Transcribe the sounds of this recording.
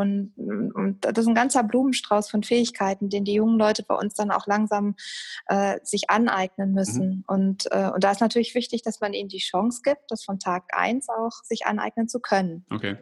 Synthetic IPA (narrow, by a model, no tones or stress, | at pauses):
ʔʊntʊnt̚d̥adassn̩ɡant͡sɐbluːmənʃtʁ̥aʊsfɔnfɛːɪçkʰaɪtn̩deːndiːjʊŋənlɔʏtəbaɪʔʊ̰nsd̥ana̰ʊxlaŋzaːmʔɛːz̥ɪçʔanʔa̰ɪɡnənmʏsn̩ʔʊntʔɛ̰ːʔʊ̰nt̚d̥aːɪstnatʰyːɐlɪçv̥ɪçtɪçd̥asmanʔiːnməndiːʃɔŋsɡ̥iːp̚t̚d̥asfɔntʰaːkʔa̰ɪnsaʊxz̥ɪçʔa̰nʔa̰ɪɡ̚nənt͡sukʰœnənʔokʰe